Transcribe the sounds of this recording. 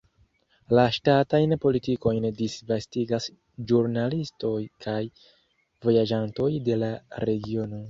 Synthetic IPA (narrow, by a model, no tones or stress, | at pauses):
laʃtatajnpo̞litiko̞jndisvastiɡas | d͡ʒuɾnalisto̞jkʰaj | vo̞jad͡ʒanto̞jde̞laɾe̞ɡio̞no̞